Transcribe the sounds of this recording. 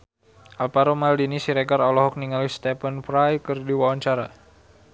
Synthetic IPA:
ʔalpaɾomaldinisiɾɛɡaɾɔlɔɦɔk̚niŋalist̪ɛpənfɾajkərdiwawaɲt͡ʃaɾa

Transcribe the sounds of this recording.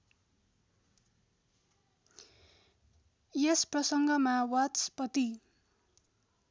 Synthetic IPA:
jesprʌsʌŋɡʌmawaspʌt̪i

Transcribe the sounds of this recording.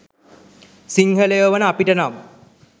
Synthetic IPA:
siŋhəlejoʋənəapiʈənamə

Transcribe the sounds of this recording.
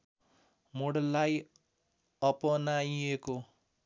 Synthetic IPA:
moɽlːaj | ʌpʌnajeko

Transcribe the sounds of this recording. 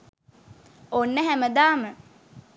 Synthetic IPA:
onːəɦæməd̪aːmə

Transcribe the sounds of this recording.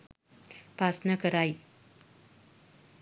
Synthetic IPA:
pasnakəɾaj

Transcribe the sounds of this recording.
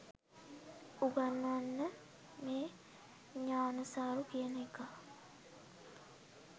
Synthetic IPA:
uɡanːanːə | meː | ɲaːnɐsaːɾukiənɐika

